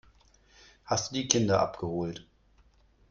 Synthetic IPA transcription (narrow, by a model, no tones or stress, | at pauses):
hastd̥uːdiːkʰɪndɐʔa̰pɡ̥əhoːlt